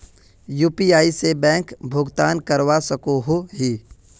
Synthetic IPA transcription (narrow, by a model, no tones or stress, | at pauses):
juːpiaːisebɛ̃ːŋkbʱʊɡt̪aːnkəɾwasəkoɦoɦiː